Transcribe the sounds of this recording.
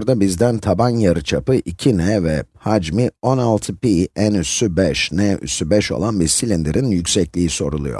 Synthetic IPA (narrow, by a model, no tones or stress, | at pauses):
ɾd̪abizd̪ænt̪ʰabanjaɾɯt͡ʃʰapɯʔicʰinɛvɛhad͡ʒmio̞nalˠt̪ʰɯpiænysybɛʃnɛy̰sybɛʃo̞̰lˠanbiɾsilʲind̪iɾʔinjycsɛclʲiːiso̞̰ɾulˠṵjo̰